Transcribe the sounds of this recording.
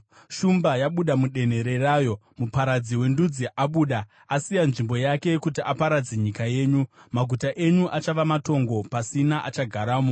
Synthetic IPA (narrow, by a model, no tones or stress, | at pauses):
ʃumbajaɓuɗamuɗe̞n̤e̞ɾe̞raːjo̞ | mupaɾad͡ziwe̞ndud͡ziʔaɓuːɗa | asijanʐimbo̞jake̞kutiʔapaɾad͡zeɲikaje̞ːɲumaɡʱutaʔe̞ɲuʔat͡ʃaʋamato̞ŋɡo̞pasinaʔat͡ʃaɡʱaɾaːmo